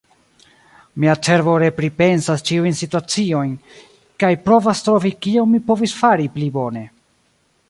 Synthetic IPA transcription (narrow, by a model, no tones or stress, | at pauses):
miat͡se̞ɾvo̞ɾe̞pɾipe̞nsast͡ʃiujnsituat͡sio̞jn | kajpɾo̞vastɾo̞vikiommipo̞visfaɾiplibo̞ne̞